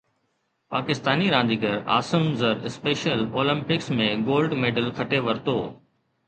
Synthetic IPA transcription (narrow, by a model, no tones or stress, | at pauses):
paːkɪst̪aːniɾãːnd̪iːɡəɾa̰ːsəmzəɾɪspeːʃəloːlə̃mpɪksmẽːɡoːlɖmeːɖəlkʰɐʈeːʋɐɾt̪oː